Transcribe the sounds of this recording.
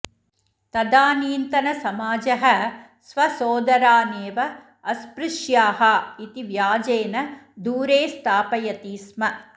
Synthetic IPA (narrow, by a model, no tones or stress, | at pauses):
t̪ɐd̪aːniːnt̪ɐnɐsɐmaːd͡ʒɐɦɐ̆ | sʋɐsoːd̪ɐɾaːneːʋɐ | ɐspɾɪʃjaːɦɐ̆it̪iʋjaːd͡ʒeːnɐd̪uːɾeːst̪ʰaːpɐjɐt̪iːsmɐ